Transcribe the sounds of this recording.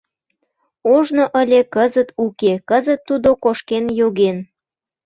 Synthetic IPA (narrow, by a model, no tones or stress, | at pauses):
oʒnoʔəlʲekəzət̪ukekəzət̪ːud̪okoʃkenjoɣen